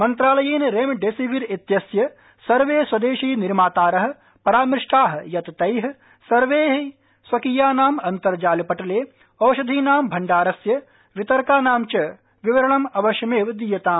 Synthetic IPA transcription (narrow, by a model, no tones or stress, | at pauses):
mɐnt̪ɾaːlɐjeːnɾeːmɖeːsiʋiɾit̪jɐsjɐ | sɐɾʋeːswɐd̪eːʃiːniɾmaːt̪aːɾɐɦɐ̆ | pɐɾaːmɾɪʂʈaːɦɐjɐt̪t̪ɐjɦ | sɐɾʋeːɦ | sʋɐkijaːnaːmɐnt̪ɐɾd͡ʒaːlipɐʈɐleː | ɐwʃɐd̪ʱiːnaːmbʱɐɳɖaːɾɐsjɐ | ʋit̪ɐɾkaːnaːmt͡ʃɐ | ʋiʋɐɾɐɳɐmɐʋɐʃjɐmeːʋd̪ijɐt̪aːm